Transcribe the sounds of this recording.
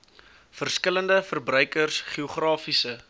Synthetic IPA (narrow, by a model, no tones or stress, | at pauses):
fərskələndəfərbrœɥkərsχiuχrɑːfisə